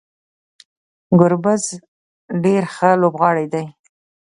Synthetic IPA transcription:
ɡʊɾbaz | ɖeɾxəlobɣɑɽajd̪aj

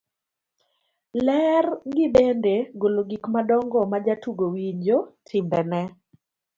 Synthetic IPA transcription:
lɛrɡɪbendeɡoloɡikmadɔŋɡɔmad͡ʒatuɡowiɲd͡ʒotʰɪmbɛnɛ

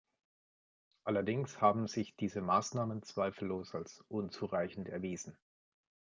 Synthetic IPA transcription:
ʔalɐdɪŋshaːbm̩zɪçd̥iːzəmaːsnaːmənt͡sv̥aɪfl̩ːoːsalsʔʊnt͡suʁaɪçn̩tɛɐviːzn̩

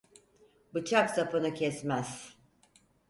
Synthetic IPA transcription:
bɯt͡ʃʰaksapʰɯnɯcʰɛsmɛz̥

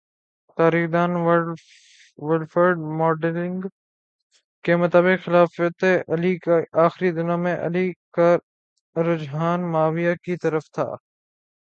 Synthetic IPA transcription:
t̪aːɾiːxd̪aːnʋə | ʋɪlfəɾɖmɔːɖlɪ̃ŋɡ | kemɐt̪aːbɪqxɪlaːfət̪eʔɐliʔaːxɪɾid̪ɪnjãmẽʔɐ̰lika | ɾʊd͡ʒɦaːnmaːʋɪjakit̪ɐɾəft̪ʰa̰ː

